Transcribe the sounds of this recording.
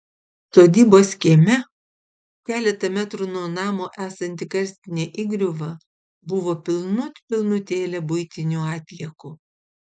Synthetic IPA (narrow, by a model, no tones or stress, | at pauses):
st̪oːd̪ʲiːboːsʲkʲimʲɛ | kʲæːlʲɛt̪ɐmʲæt̪ɾʊnuɔnɑːmoːʔæːsɐnʲt̪ʲɪkɐɾʲsʲt̪ʲɪnʲeːʔiːɡɾʲʊʋɐ | bʊʋoːpʲɪlˠnʊt̪ʲpʲɪlˠnʊt̪ʲeːlʲɛbʊɪt̪ʲɪnʲuɑːt̪ʲlʲiɛkʊ